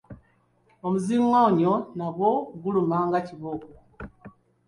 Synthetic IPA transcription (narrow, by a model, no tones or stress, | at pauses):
omuziŋwauɲonaɡwoɡulumaːŋɡaciβoku